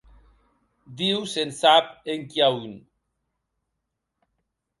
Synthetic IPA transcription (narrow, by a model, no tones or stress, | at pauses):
d̪iwsensapeŋkiaun